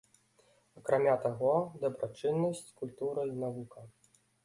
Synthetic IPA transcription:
ɐkɾamʲat̪aɣɔd̪ɐbɾat͡ʂɨnːɐsʲt͡sʲkulʲt̪uɾɐinavukɐ

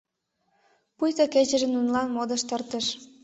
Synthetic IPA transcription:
pujt̪əket͡ɕə̆ʒə̆nunlɑnmod̪ə̆ʃt̪ərt̪ə̆ʃ

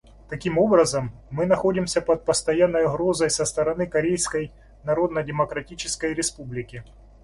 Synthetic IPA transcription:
t̪ɐkʲimo̞bɾəzəmːɨnɐxo̞dʲɪmsʲəpɐt̪̚pəst̪ɐjanːəjʊɣɾo̞zəjsəst̪əɾɐnɨkɐɾʲejskəj | nɐɾo̞d̪nədʲɪməkɾɐtʲit͡ɕɪskəjɾʲɪspublʲɪkʲɪ

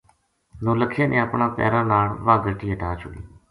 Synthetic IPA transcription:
nõːləkʰijãnʔẽːəpɳãːpɛ̰ːɾãːnaːɳʋãːɡəʈiːɦeʈaːt͡ʃʰʊɡḭː

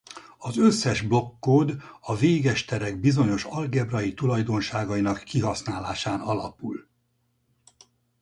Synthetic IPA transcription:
ɒzø̞sːɛʒblo̞kːoːd̪ɒveːɡɛʃt̪ɛɾɛɡ̚bizo̞ɲo̞ʃɒlɡɛbrɒit̪ulɒjd̪o̞nʃaːɡɒjinɒkːiɦɒsnaːlaːʃaːnɒlɒ̰pul

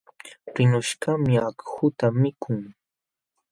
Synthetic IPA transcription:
ɢɪnʊʃɢɑmɪakhʊt̪amɪkʰʊŋ

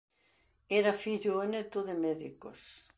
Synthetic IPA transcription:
ɛɾafiʎʊenet̪oðemɛðiko̰s

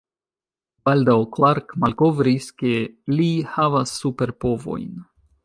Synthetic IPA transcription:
b̥aldawklaɾkmalko̞vɾiske̞lihavasːupe̞ɾpo̞vo̞̰jn

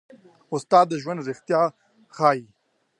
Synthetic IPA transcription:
ʊst̪ɑːd̪ːəʒwand̪ɾɪxt̪jaː | xaːi

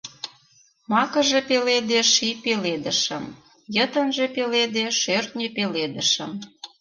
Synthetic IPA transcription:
mɑkə̆ʒepeled̪eʃipeled̪ə̆ʃəm | jət̪ənʒepeled̪eʃørt̪nʲepeled̪əʃə̰̆m

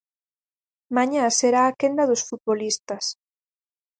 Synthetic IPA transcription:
maɲaseɾaːkend̪ɐðosfut̪̚βolist̪ɐs

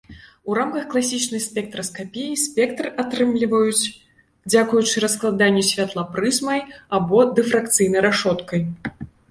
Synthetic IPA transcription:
uɾamkɐxklˠasʲit͡ʂnɐjsʲpʲɛk̚t̪ɾɐskapʲejisʲpʲɛk̚t̪rat̪ɾɨmlʲivɐjut͡sʲ | d͡zʲakujut͡ʂɨɾɐsklˠad̪anʲːɛsʲvʲat̪lˠapɾɨzmɐjabɔd̪ɛfɾakt̪sɨjnɐjɾaʂɔt̪kɐj

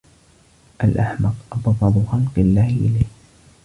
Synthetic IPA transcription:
ʔalʔaħmɑqʔɑbðˤɑd̪ˤʊxɑlqɨlːaːhɪʔɪlajh

